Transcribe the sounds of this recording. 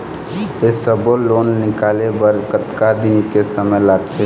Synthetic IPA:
esəboloːnːɪkaːlebəɾkət̪kad̪ɪnkesəməjlaːt̪e

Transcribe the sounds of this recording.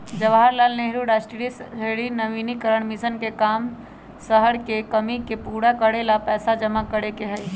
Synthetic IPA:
d͡ʒɐʋaːaɾlaːlneɦɾuɽasʈiɽisɦeɽinɐʋiːnikəɾəɽ̃mɪsənkekaːm | səɦəɽkekɐmikepuːɽakəɽelapɛːsad͡ʒɐmakɐɽekeɦɛj

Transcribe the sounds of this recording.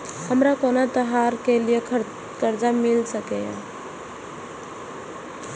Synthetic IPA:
həmɾakoːnat̪əɦaɾkelije | kəɾd͡ʒamɪlsəkejã̰

